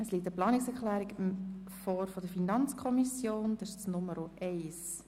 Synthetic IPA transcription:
əsliːt̪əplɑːniksɛɾklæːɾiɡɪm | fɔːɾfɔdəfinɑnt͡skʰɔmisjoːnd̥̪ɑɪʃt͡snʊməɾoʔɛɪs

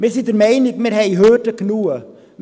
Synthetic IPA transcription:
mɛsitərmɛjnikmɛrɦɛjɦøːrtəknuə | m

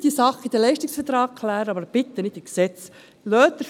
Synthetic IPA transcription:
d̥isɑχid̪əlɛɪʃtɪksfət̪ɾɑːɡkʰlæːɾəɑbəɾb̥ɪt̪ːənɪt̪iksɛt͡s | lœːt̪ːə

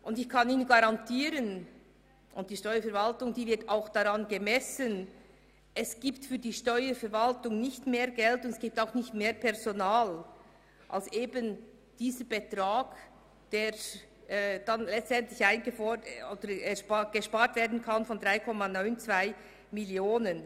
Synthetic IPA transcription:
ʔʊndɪçkʰɑniːnɡaɾɑntʰiːɾən | ʔʊnt̚d̥iːʃtɔʏəfɛɐvaltʊŋd̥iːvɪɐtaʊxd̥aʁɑnɡemɛsən | ʔɛsɡ̥iːptfyːɐdiːʃtɔʏəfɛɐɾvaltʊŋnɪçtmeːɐɡɛltʊndsɡ̥iːp̚taʊxnɪçtmeːpʰɛʁzonaːl | ʔa̰lsʔeːbən | d̥iːzəb̥etʁaːɡ̥ | d̥eːɛːd̥anlɛt͡stɛntlɪçaɪnɡəfɔod̥əɛʃɡ̥əʃpaːɾtv̥eːɐdn̩kʰanfɔndʁaɪkʰɔmanɔʏnt͡sv̥aɪ | mɪljoːnən

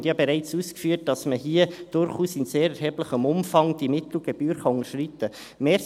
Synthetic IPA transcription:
djɑbeɾæɪt͡suːskfyːət̚d̥ɑsməɦiəd̥ʊɾχuːsɪnseːɾɛɾɦɛːbləχəmʊmfɑŋd̥imɪt̪l̩ɡ̥ɛb̥yːɾχɑʊŋəʃrit̪ə | meː

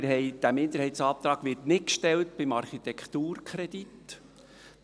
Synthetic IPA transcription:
ɾɦɛɪd̥æmɪnd̪əɾhɛɪtsɑːp̚t̪ɾɑːɡʋɪɾtnɪtkʃtɛltb̥ɪmɑɾχit̪ɛkʰt̪uːɾkʰɾɛd̪it

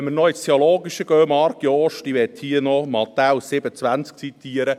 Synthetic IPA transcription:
mərnɔɪstʰeoloːɡiʃəɡ̥øːmɑɾɡjɔʃtiʋɛt̪hiːənɔmɑt̪awsɪb̥əət͡sʋænt͡sk̚t͡sit̪iːəɾə

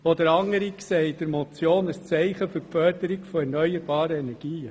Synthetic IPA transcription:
ɔd̪əɾɑŋəɾiksɛɪdəɾmɔt͡sjoːnəst͡sɛɪχəføɾfœɾdəɾiɡfɔɛɾnœʏəɾbɑːɾəɛnɛɾɡ̥iːə

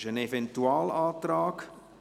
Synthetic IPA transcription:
zənevɛntyɑːlɑːtrɑːk

